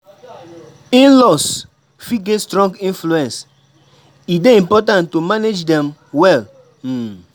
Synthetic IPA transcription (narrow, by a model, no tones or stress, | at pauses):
ĩnlɔs | fiɡetstɹɔ̃ŋɡĩnfluɛ̃ns | ideĩmpɔtãntumaned͡ʒdɛ̃mwɛl̩